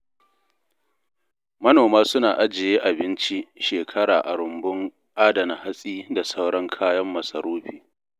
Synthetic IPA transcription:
mɐ˦noː˨maː˦sʊ˦naː˨ʔa˦d͡ʒɪ˨jeː˦ʔa˨bɪ˦nt͡ʃi˦ʃeː˨kʰɐ˦ɽa̰ː˨ʔa˨ɽʊ˨mbʊ˦ŋ | ʔaː˦dɐ˨na˨ha˦sʼiː˦da˨sɐ˦wɽɐ˦ŋkʰaː˦jɐ˦mːɐ˨sɐ˨ɾuː˦ɸiː˨

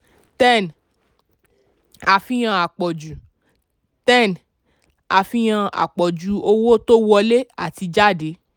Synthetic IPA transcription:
tɛ˦˨n˨ | a˧fĩ˦j̃ã˧a˨k͡pɔ˨d͡ʒu˨ | tɛ˦˨n˨ | a˧fĩ˦j̃ã˧a̰˨k͡pɔ˨d͡ʒu˨˦o˧wo˦to˦wɔ˧le˦a˦˨ti˧d͡ʒa˦˨de˨˦

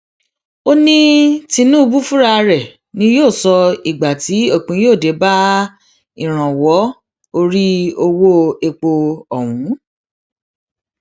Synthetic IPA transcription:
o˦nĩ˦ti˧nũ˦u˧bu˦fu˦ɾa˦˧ɾɛ˨ | nĩ˧˦joː˦˨sɔ˧i˨ɡ͡ba˨ti˨˦o˦˨k͡pĩ˧˦joː˦˨de˨˦ba˦ | i˦˨ɾ̃ã˨wɔ˨˦ | o˧ɾi˦o˧wo˦e˧k͡po˧ɔ˨wũ˨˦

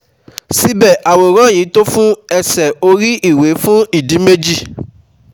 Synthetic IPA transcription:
si˦bɛ˦˨ʔa˨wo˨ɾɔ̃˦˨j̃ĩ˨˦to˦fũ˦ɛ˦sɛ˨o˧ɾi˦ʔi˦˨we˨˦fũ˦i˦˨dĩ˨˦me˦d͡ʒi˦˨

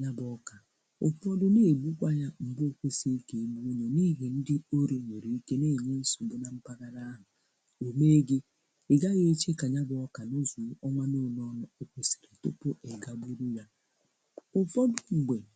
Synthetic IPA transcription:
ɲa˦bɔ˦ka˨ | ʊ̰˨fɔ˦dʊ˦ne˦e˨ɡ͡bu˦kʷa˦ɲa˦m̩˨ɡ͡bo˦˨kʷe˦si˦ke˨˦mu˦o˦ɲe˨ni˦ɦe˨n̩˦dɪ˦o˦ɾe˨ŋʷe˨ɾi˨i˦ke˦ne˦˨ɲe˦n̩˦su˨ɡ͡bo˦na˨m̩˦pa˦ɡa˦ɾa˦a˦ɦʊ˨ | o˨me˦e˦ɡe˦ | ɪ˨ɡa˦ɣe˦e˦t͡ʃe˦ka˨ɲa˦bɔ˦ɔ˦ka˨nɔ˦zu˨˦ɔ˦ŋʷa˦no˦˨nɔ˦nʊ˦o˦kʷe˨si̥˨ɾe˨to̰˦po˦ʔe˨ɡa˦ɡ͡be˦ɾu˦ja˦ | ʊ˨fɔ˦dʊ˨ŋ̩˨ɡ͡be˨

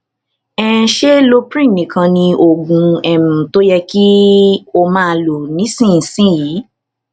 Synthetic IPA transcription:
ɛ˦ʃe˦lo˦pɾĩ˦˨nĩ˨kã˧nĩ˧o˧ɡũ˧ɛ˨mũ˨to˦jɛ˦ki˦o˧mãː˦˧lo˨nĩ˨˦sĩ˦˨n̩˨sĩ˦ji˨˦

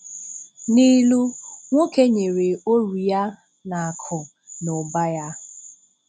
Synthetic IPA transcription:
ni˦lu˦ŋʷo˦ke˦ɲe˨ɾe˨o˦ɾu˨ja˦ | na˨a˨kʰʊ˨ | nʊ˨ba˦ja˦

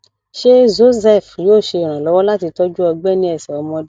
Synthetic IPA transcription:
ʃe˦zo˦sɛ˦˨fjoː˦˨ʃe˧ɔ˨ɾ̃ã˨lɔ˨˦wɔ˦la˦ti˧tɔ˦d͡ʒu˦ɔ˧ɡ͡bɛ˦nĩ˧˦ɛ˦˨sɛ˨ɔ˨˧mɔ̃˧di˦

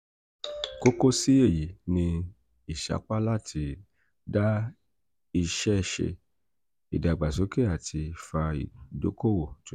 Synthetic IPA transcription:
ko˦ko˦si˦e˦˨ji˨˦nĩ˧ | i˦˨ʃa̰˨˦k͡pa˦la˦˨tʰi˧ | da˦ | i˧ʃɛ˦˧ʃḛ˧ | i˨da˨ɡ͡ba˨so˨˦ke˦a˦˨tʰi˧fa˧ḭ˨do̰˨˦ko˦˨wo˨tu˨

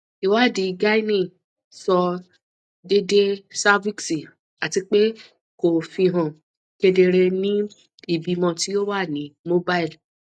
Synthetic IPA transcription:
i˨wa˦˨di˨˦˧ɡa˦i˦nĩ˦˨ | sɔ˧ | de˦de˦sa˦vi˦ksi˨ | a˨ti˧k͡pe˦ | ko˨fĩ˧ɦɔ̃˨ | ke˧de˧ɾe˧nĩ˦ | i˦˨bi˨˧mɔ̃˧ti˦o˦wa˦˨nĩ˨˦mo˦ba˦i˨l

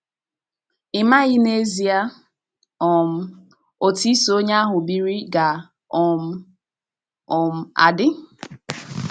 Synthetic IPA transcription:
ɪ˨ma˦ɣɪ˦ne˦zi˨a˦ | ɔ˨m̩˦ | o˨ti˦so˦ɲa˦a˦ɦʊ˨bi˦ɾi˦ɡa˨ | ɔ˨m˦ | ɔ˨m̩˨a̰˨dɪ˦

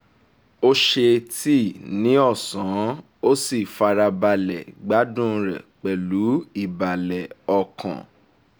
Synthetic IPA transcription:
o˦ʃe˧ti˦˨nĩ˨˦ɔ˦˨sã˨˦ | o˦si˦˨fa˧ɾa˧ba˧lɛ˨ɡ͡ba˨˦dũ˦˧ɾɛ˨k͡pɛ˨lu˨˦i˦˨ba˨lɛ˨ɔ˧kʰã̰˨

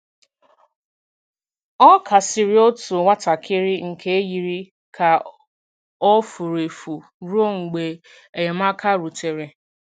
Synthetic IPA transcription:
ɔ˦kʰa˨sɪ˨ɾɪ˦o˦tu˨wa˦ta˨kʰɪ˦ɾɪ˦ŋ̩˨kʰe˦e˦ji˨ɾi˦ | kʰa˨ | o˦fu˨ɾe˨fu˨ | ɾu˦o˦ŋ̩˨ɡ͡be˨ | e˨je˨ma˦kʰa˦ɾu˨te˨ɾe˨

